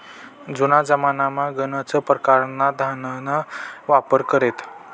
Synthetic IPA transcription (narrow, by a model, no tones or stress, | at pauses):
d͡zunad͡zəmanamaɡənət͡səpɾəkaɾnad̪ʱanənaʋapəɾkəɾet̪